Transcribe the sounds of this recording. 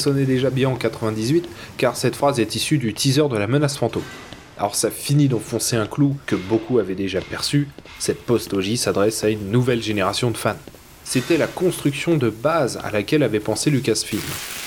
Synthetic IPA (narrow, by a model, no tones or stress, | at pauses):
sɔnɛd̪eʒabjɛ̃ɑ̃kat̪χəvɛ̃d̪izɥit̪ | kaʁsɛt̪fχazɛt̪isyd̪yt̪ʰizœʁd̪əlamənasfɑ̃t̪om | a̰lɔʁsafinid̪ɑ̃fɔ̃seɛ̃klukəbokuavɛd̪eʒapɛʁsy | sɛt̪̚pɔst̪ɔʒisad̪ʁɛsaynːuvɛlʒeneʁasjɔ̃d̪əfan | set̪ɛlakɔ̃st̪χyksjɔ̃d̪əbaza̰lakʲɛlavɛpɑ̃selyk̬ʲasfilm